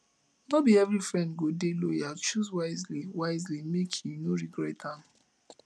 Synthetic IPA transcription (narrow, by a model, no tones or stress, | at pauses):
nɔbiɛvɹifɹɛ̃ndɡodelojat͡ʃuzwaɪzliwaɪzlimekʰjinoɹiɡɹɛtãm